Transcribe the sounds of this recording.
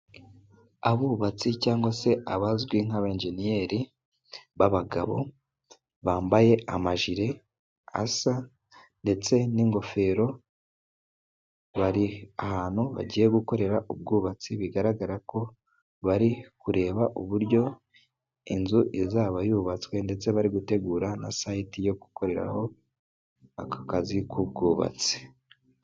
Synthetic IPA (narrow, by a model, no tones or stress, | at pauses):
aβuːβat͡sicaːŋɡwase̞ʔaβazɡwiŋ̥aβaeːnʒe̞nijeːɾi | βaβaɡa̰βo̞̰ | βaːmbaje̞amaʒiɾe̞ | a̰sa | nde̞t͡se̞niŋɡo̞fe̞ɾo̞ | βaɾiahaːn̥huβa̰ɟiːje̞ɡuko̞ɾe̞ɾaʔub̚ɡuːβat͡siβiɡaɾaɡaɾako̞ | βaɾikuɾe̞ːβaʔuβuɾɟo̞ | inzuʔezaβajuːβat͡swe̞nde̞t͡se̞βaɾiɡute̞ɡuːɾana̰saitijo̞ku̥ko̞ɾe̞ɾa̰ho̞ | akakazikub̚ɡuːβa̰t͡si̥